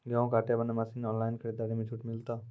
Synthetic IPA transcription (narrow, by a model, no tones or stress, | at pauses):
ɡaõkaːʈjabɐnamasinɔːnlaːjɪnkʰəɽed̪aːɽimẽt͡ʃʰuʈmɪlt̪a